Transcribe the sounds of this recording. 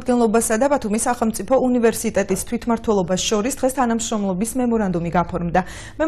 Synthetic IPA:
d̪̚ɡɛnlˠɔbasad̪abat̪ʰumisːaχɛlˠmt̪sʼipʰɔunivɛɾsit̪ʼɛt̪ʼist̪ʰwit̪ʰmaɾt̪ʰwɛlˠɔbasʃɔɾisd̪ʁɛst̪ʰanamʃɾɔmlˠɔbismɛmɔɾand̪umiɡapʰɔɾmd̪a | mɛ

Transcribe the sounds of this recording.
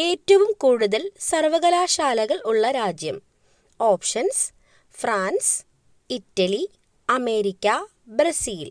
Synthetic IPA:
e̞ːtːɐʋumkuːɽuðɐlsɐrʋɐɣɐlaːɕaːlɐɣɐɭuɭːɐɾaːd͡ʑjɐm | o̞ːpʂɐns | fraːns | itːɐli | ɐme̞ːɾikʲːɐ | bɾɐsiːl

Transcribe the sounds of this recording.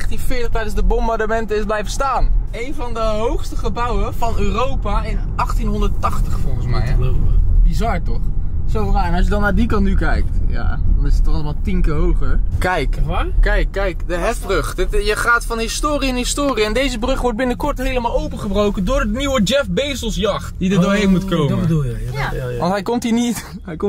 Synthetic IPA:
χtinfɪːtəχtɛjdənzdəbɔmbaɹdəmɛntəɪzblɛjvəstaːnejnvɑndəɦowχstəχəbʌwəv̥ɑnøːrowpaɪn | ɑχtinɦɔndətɑχtəχfɔlˠχənsmɛjəəlowpəbizɑɹtɔχsonaɛnɑs̬jədɑnːaːdikɑntnykɛjk̚tja̰ːdɑnɪsətːɔχɑləmaːlˠtɪŋkəɦowχəɹkɛjkkɛjkːɛjkdəɦɛfbrɵχdtjəχaːtfɑnɦɪstoːɾiɪnɦɪstoːriɛndejzəbrɵχʋɔɹt̚bɪnəkɔɹtɦejləmaːlˠowpəχəbrowkəndʊːɹətniwəd͡ʒɛfbejsəlˠsjɑχtdidədoːɹɦejnmutkowməbədulˠjʋɑntɦɛjkɔmtɦiːnit | j

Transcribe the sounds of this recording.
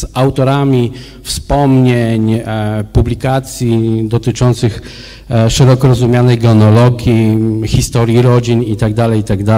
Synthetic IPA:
awt̪ɔɾamʲi | fspɔmɲeɲpublʲikat̪sʲjid̪ɔt̪ɘt͡ʂɔnt̪sɘx | ʂɛɾɔkɔɾɔzumʲjanɛjɡɔnɔlɔɡʲjixʲist̪ɔɾʲjiɾɔd͡ʑinit̪aɡ̚d̪alɛjit̪aɡd̪a

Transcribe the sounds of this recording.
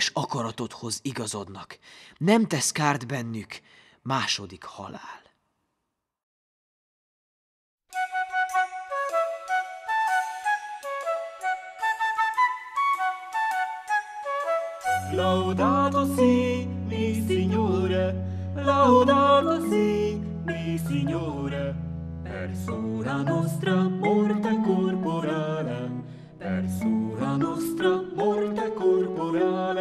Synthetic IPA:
ʃɒkɒɾɒt̪o̞t̪ho̞ziɡɒzo̞d̪nɒknɛmt̪ɛskaːrd̪bɛnːyk | maːʃo̞d̪ikhɒ̰la̰ːl | lawd̪ad̪osilisiɲoɾalawd̪ad̪osi | lisiɲo | ɾe | pḛɾsonanɔst̪ɾapɔɾt̪ekoɾpoɾale | pɛ̰ɾsonanɔst̪ɾɐpɔɾt̪ekoɾpoɾale

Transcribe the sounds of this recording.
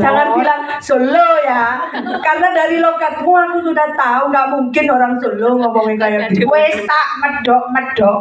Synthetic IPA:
d͡ʒaŋanbilaŋsoloja | karnadaɾilokat̪̚kuakusudaht̪auŋɡaʔmuŋkɪnoɾaŋsoloŋɔmpɔŋɪnkajad̪ikwest̪aʔməɖ̥ɔʔməd̥ɔʔ

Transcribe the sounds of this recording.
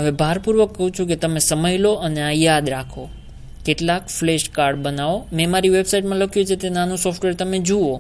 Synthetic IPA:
ɦəʋebʱaɾpuɾʋəkːəɦũt͡ʃʰũk̬et̪əmesəməjloəneajad̪ɾakʰo | keʈlakfleʃkaɾɖbənaʋomɛ̃maɾiʋebsaiʈmãləkʰjũt͡ʃʰet̪enanũsɔfʈʋeɾt̪əmed͡ʒuo

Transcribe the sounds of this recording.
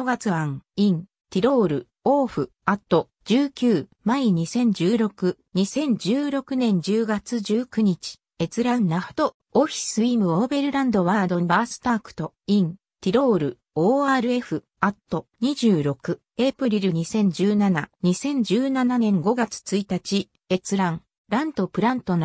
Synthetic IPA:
oɡat͡sɨβãŋĩn | t̪ʲiɾo̞ːɾɯ̟ | oːɸɯ̟ | at̪ːo̞ | d͡ʑɨːkʲɨːmaiɲ̟isẽ̞ɲ̟d͡ʑɨːɾo̞kɯ̟ɲ̟isẽ̞ɲ̟d͡ʑɨːɾo̞kɯ̟nẽ̞ɲ̟d͡ʑɨːɡat͡sɨʑɨːkɯ̟ɲ̟it͡ɕi̥ | e̞t͡sɨɾanːḁt̪o̞ | oɸʲi̥sɨimɯ̟obe̞ɾɯ̟ɾãnd̪o̞βad̪o̞basɨ̥t̪aːkɯ̟̥t̪o̞ | ĩn | t̪ʲiɾo̞ːɾɯ̟ | oːaːɾɯ̟e̞ɸɯ̟ | at̪ːo̞ɲ̟iʑɨːɾo̞kɯ̟ | epɯ̟ɾʲiɾɯ̟ɲ̟isẽ̞ɲ̟d͡ʑɨːnanaɲ̟isẽ̞ɲ̟d͡ʑɨːnananẽ̞ŋɡo̞ɡat͡sɨ̥t͡sɨit̪at͡ɕi | e̞t͡sɨɾãŋ | ɾãnt̪o̞pɯ̟ɾãnt̪o̞no

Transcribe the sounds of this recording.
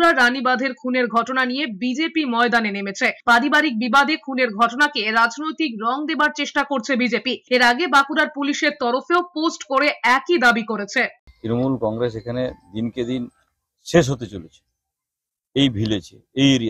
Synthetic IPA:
ɾaɾːanibad̪ʱeɾkʰuneɾɡʱɔʈonanijebid͡ʑepimɔed̪anenemet͡ɕʰepaɾibaɾik̚bibad̪ʱekʰuneɾɡʱɔʈonakeɾad͡ʑnojt̪ikɾɔŋd̪ebaɾt͡ɕeʃʈakoɾt͡ɕʰebid͡ʑepieɾaɡebakuɾaɾpuliʃeɾt̪ɔɾofeoposʈkoɾeɛkid̪abikoɾet͡ɕʰet̪ɾinomulkɔŋɾes̬ekʰaned̪inked̪in | ʃeʃ̬ɦot̪et͡ɕolet͡ɕʰe̥ | ejbʱilet͡ɕʰḛejeɾia

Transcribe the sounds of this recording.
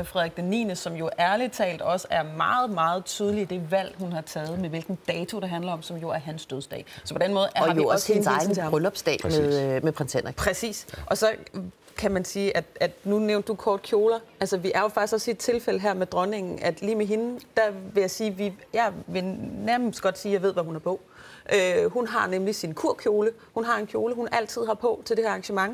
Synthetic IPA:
efʁɛðˠɡ̥̚d̥enḭːnəsɒ̽mjo̝ʔæɐlit͡sʰɛ̰ːld̥ɒ̽səæɐmɑ̈ːð̞̩ˠmɑ̈ːð̞̩ˠt͡sʰyːð̞ˠlid̥e̝ʋæl̰ɦunhɑ̈t͡sʰɛːð̞̩ˠmeʋe̝lɡ̥n̩d̥ɛːt͡sʰo̝ɾ̥eɦænlɐɒ̽msɒ̽mjo̝æɐɦænsd̥øðˠsd̥ɛ̰ːsɒ̽pʰɒ̽d̥enmɔ̽ːð̞ˠɑjoɒsensɪn̩ʰemʁœlɒb̥sd̥ɛ̰ːmeðˠmepʰʁɛnsenpʰʁɛsḭːsʔɒ̽sɒ̽ | kʰæmænsiːʔæd̥æd̥nuneʊnd̥ːukʰɒːd̥̚kʰjo̝ːlɐʔælsɐʋiʔæɐjo̝fɑ̈ɡ̥d̥isɡ̥ɒ̽siːd̥t͡sʰe̝lfel̰əɦæɐ̰med̥ʁɶne̝ŋ̰n̩ʔæd̥liːmeɦe̝nd̥æʋe̝jɑ̈ɪsiːʋijɑ̈ɪʋe̝næɐməsdɡ̥ɒ̽d̥siːjɑ̈ɪʋe̝̞̰ʋæhunæɐpʰɔ̽ | ʔøhunɦɑ̈nemlisinkʰuɐ̰kʰjo̝ːlə | hunɦɑ̈e̝nkʰjo̝ːləɦunʔæl̰t͡sʰið̰ˠhɑ̈pʰɔ̽t͡sʰe̝ld̥ehæɐɑ̈ŋɕəmɑ̈ŋ

